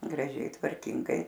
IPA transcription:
ɡrɐˈʒʲɛɪ tʋɐrʲˈkʲɪŋɡɐɪ

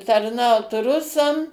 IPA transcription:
tɐrˈnɐʊt ˈrʊsɐm

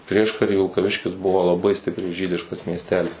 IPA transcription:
ˈpʲrʲiɛʃkɐrʲiː ʋʲɪlˠkɐˈʋʲɪʃʲkʲɪs ˈbʊʋoː lˠɐˈbɐɪ ˈsʲtʲɪpʲrʲɛɪ ˈʒʲiːdʲɪʃkɐs mʲiɛsʲˈtʲæːlʲɪs

